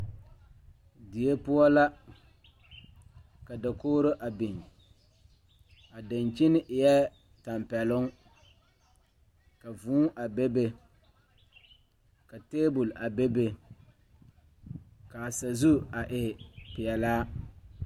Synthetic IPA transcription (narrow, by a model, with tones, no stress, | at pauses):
dɪ˨je˦pʊ˦ɔ˦la˦ | ka˨da˨koː˦ɾʊ˦ʔa˨bi˨ŋ | a˨da˨nt͡ʃɪ˦nɪ˦ʔɪ˨jɛ˦ | ta˨mpɛ˨lʊ˦ŋ | ka˨vuː˦ʔa˨be˦be˦ | ka˨teː˦bʊ˨lʔa˨be˦be˦ | ka˨sa˨zu˦a˨ʔɪ˨pɪ˨jɛ˨laː˦